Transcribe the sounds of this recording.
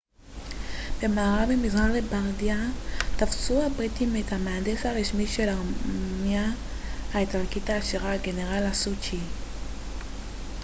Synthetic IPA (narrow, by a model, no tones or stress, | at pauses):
b̥emaːʁabemizʁaʁlebaʁdiataft͡suabʁitimetamaandesaʁeʃmiʃelamia | aetalkitaːʃiʁaːɡeneʁalasut͡ʃi